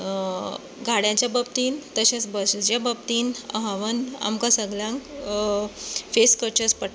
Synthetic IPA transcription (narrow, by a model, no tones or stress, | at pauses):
ɡʱaɽjãt͡ɕjabəb̚t̪iːnt̪əɕãt͡sbəsld͡ʑjabəb̚t̪iːnə̰ɦaʋəna̰mkãsəɡljãŋk | feskəɾt͡ɕəspəʈ